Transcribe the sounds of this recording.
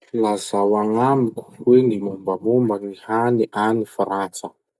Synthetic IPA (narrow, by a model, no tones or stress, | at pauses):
lazawaŋamiku̥wenimumbəmumbəŋihaniʔanifaɾant͡sə